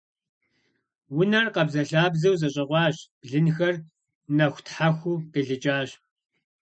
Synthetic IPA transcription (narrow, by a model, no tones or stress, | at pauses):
wʊnɐrqɐbzɐɬaːbzɐwzɐɕʼɐʁʷɑːɕb̥ɮɨnxɐr | nɐxʷtħaxʷuːqiɮɨt͡ʃʼaːɕ